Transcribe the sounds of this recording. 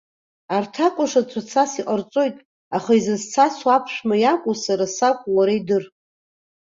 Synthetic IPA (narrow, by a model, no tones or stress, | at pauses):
artʰakʷʼʊʂat͡sʷʰat͡sʰasiqʼart͡sʼo̞jtʼ | aχaizɨzt͡sʰaswapʰʂʷᶣmajakʷʼusaɾasakʷʼuwaɾaidɨr